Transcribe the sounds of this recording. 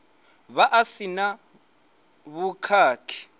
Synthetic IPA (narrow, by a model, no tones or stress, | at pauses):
βaʔasina | βukʰaːkʰi̥